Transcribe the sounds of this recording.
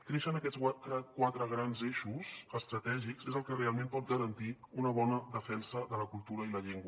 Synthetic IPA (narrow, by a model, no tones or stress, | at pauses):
k̪ɾeʃənəkɛsaɾakwat̪ɾəɣɾanzeʃuzəst̪ɾət̪ɛʒikzezəlˠkərealˠmẽmpɔt̪̚ɡəɾənt̪iunəβɔnəðəfɛnsəðələkulˠt̪uɾəiləʎeŋɡwə